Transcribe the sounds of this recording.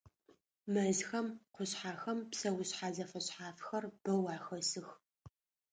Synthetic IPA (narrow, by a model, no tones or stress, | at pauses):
mɐzxɐmqʷʊɕħaːxɐmpsɐwʊɕħaːzɐfɐɕħaːfxɐrb̥ɐwaːxɐsɨx